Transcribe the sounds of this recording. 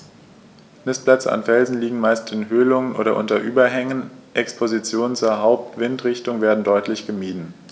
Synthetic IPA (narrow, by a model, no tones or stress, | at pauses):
nɪsplɛt͡sə̰a̰nfɛlzn̩liːɡŋ̩maɪstɪnɦøːlʊŋənʔo̰ːɾɐʔʊntɐʔyːbɐɦɛŋənʔɛkspʰozit͡sjoːnənt͡suːɐɦaʊp̚tv̥ɪntʁɪçtʊŋveːɐdn̩dɔʏtlɪçɡ̥əmiːdn̩